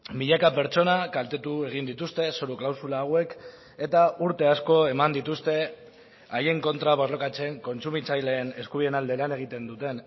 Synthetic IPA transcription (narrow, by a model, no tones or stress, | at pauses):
biʎakape̞ɾt͡ʃo̞nakalt̪e̞t̪ue̞ɣ̞ind̪it̪ust̪e̞soɾuklawsulaːɣwe̞k | e̞t̪auɾt̪e̞asko̞e̞mand̪it̪ust̪e̞ | aje̞ŋko̞nt̪ɾaβozlo̞kat͡se̞ŋko̞nt͡sumit͡sajle̞ːne̞skuβiðe̞nald̪e̞lane̞ɣ̞it̪e̞nd̪ut̪e̞n